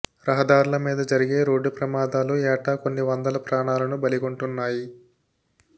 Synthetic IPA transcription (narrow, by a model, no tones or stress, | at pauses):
ɾɐɦɐd̪aːɾulɐmiːd̪ɐd͡ʒɐɾiɡe̞ːɾo̞ːɖːupɾɐmaːd̪aːluɛːʈaːkonːiʋɐnd̪ɐlɐpɾaːɳaːlɐnubɐliɡoɳʈunːaːji